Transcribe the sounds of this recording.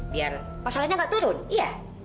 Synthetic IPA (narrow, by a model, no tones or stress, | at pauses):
bia̰r | pasalahɲaŋɡaʔt̪uɾʊnija